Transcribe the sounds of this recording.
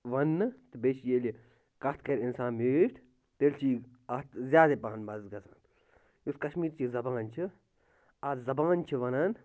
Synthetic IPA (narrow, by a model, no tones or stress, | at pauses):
ʋɐnːɨt̪ɨbet͡ʃjeli | kɐt̪ʰkɐɾʲinsãːnmeːʈʰ | t̪elt͡ʃʰiː | ɐt̪zʲjaːd̪eːpaːnbɐzɡɐsa̰ːn | uskɐʃmiːɾt͡ʃʰizɐbãːnt͡ʃʰɨ | azɐbaːnt͡ʃʰiʋɐnan